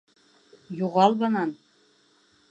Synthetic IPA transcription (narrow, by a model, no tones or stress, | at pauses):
juʁɑlˠbɤ̆nɑn